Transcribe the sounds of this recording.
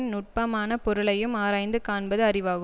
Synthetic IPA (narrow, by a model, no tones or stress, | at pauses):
nnʊʈ̚pɐmaːnɐpɔɾɯɭɐjɯmaːɾaːjnd̪ɯkaːɳbɐðɯɐrɪʋaːɣɯ